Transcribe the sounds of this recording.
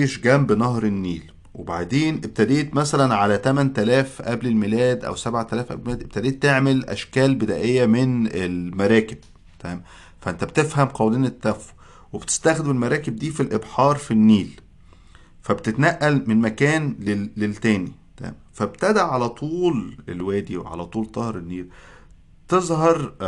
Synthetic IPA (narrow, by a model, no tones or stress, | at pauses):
iʃɡæmbenɑhɾˤenːiːl | weba̰ʕd̪eːnʔeb̚t̪æd̪eːt̪mæsælænʕalæt̪æmænt̪ælæːfʔæblelmelæːd̪ʔæ̰wsæbʕat̪ælæːfʔæ̰blemeæd̪ʔeb̥̚t̪æd̪eːt̪ːeʕmelʔæ̰ʃkæːlbed̪æ̰ːʔejːæmenelmæɾˤæːkeb̥̚ | t̪æm | fæʔent̪æbet̪efhæmqɑwliːnet̪ːæfu̥ | webet̪e̥st̪æxd̪emelmæɾˤɑːkeb̚d̪iːfilʔebħɑːɾˤfinːiːl | fæbet̪et̪næʔːælmenmækæːnleːelt̪æːnit̪ææ̰mfæbt̪æd̪æʕalæt̪ˤuːlelwæːd̪iwḛʕa̰læt̪ˤuːlt̪ˤɑhɾˤenːiːɾ | t̪ezˤhɑɾˤ